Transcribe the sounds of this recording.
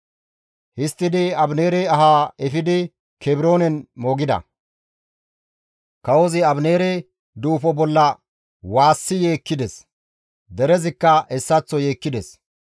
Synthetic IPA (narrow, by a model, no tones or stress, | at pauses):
hɪst̪ːɪd̪ɪɐbneːɾɛɐɦaːɛfɪd̪ɪ | kʰɛbɪɾo̞ːnɛnmoːɡɪd̪ɐ̰ | kɐwɔzɪɐbneːɾe | d̪uːfɔbɔlːɐ | waːsːɪje̞ːkːɪd̪ɛs | d̪ɛɾɛzɪkːɐɛsːɐt͡sːɔje̞ːkːɪd̪ɛs